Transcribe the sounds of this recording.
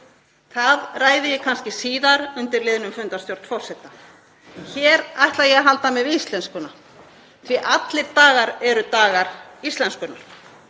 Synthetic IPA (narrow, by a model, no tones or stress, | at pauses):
θaðraːjðɪjɛkʰanscɪsiːðaɾʏnt̪ɪɾlɪðnʏmfʏnt̪ast̪jowɾt̪fɔrsɛt̪a | çɛːɾajht̪lajɛɣaɦalt̪amɛðist̪lɛnskʏna | θviʔat̪lɪɾt̪aːɣaɾɛɾʏt̪aːɣaɾ̥ist̪lɛnskʏnːaɾ̥